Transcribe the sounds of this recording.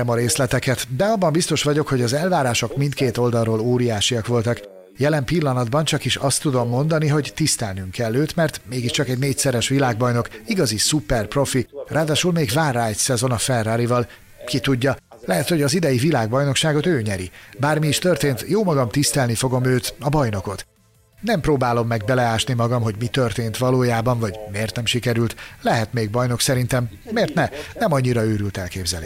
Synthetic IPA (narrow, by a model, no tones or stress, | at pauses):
ɛmɒɾeːslɛt̪ɛkɛt̪d̪ɛɒbːɒmbist̪o̞ʃʋɒɟo̞kho̞ɟɒzɛlvaːɾaːʃo̞kmint̪̚keːt̪o̞ld̪ɒlroːloːɾijaːʃiɒkʋo̞lt̪ɒk | jɛlɛmpilːɒnɒd̪bɒnt͡ʃɒkiʃɒst̪ːud̪o̞mːo̞nd̪ɒniɦo̞ɟt̪ist̪ɛlnyŋkɛlːøːt̪mɛrt̪meːɡiʃt͡ʃɒkɛɟneːcʲsɛɾɛʃʋilaːɡ̚bɒjno̞kiɡɒzisupɛrpro̞firʔaːd̪aːʃulmeːɡvaːrraːjt̪sɛzo̞nɒfɛrːaːɾivɒl | kit̪uɟːɒ | lɛɦɛt̪ho̞ɟɒzid̪ɛjivilaːɡ̚bɒjno̞kʃaːɡo̞t̪øːɲɛɾibaːrmiːʃt̪ø̞rt̪eːnt̪joːmɒɡɒmt̪ist̪ɛlnifo̞ɡo̞møːt̪ɒbɒjno̞ko̞t̪ | nɛmproːbaːlo̞mːɛɡ̚bɛlɛaːʃnimɒɡɒmɦo̞ɟmit̪ørt̪eːnt̪ʋɒloːjaːbɒɱvɒɟmeːrt̪nɛmʃikɛɾylt̪lɛɦɛt̪meːɡ̚bɒjno̞ksɛɾint̪ɛmː | eːrt̪nɛnɛmɒɲːiɾɒøːɾylt̪ɛlkeːbzɛlḛː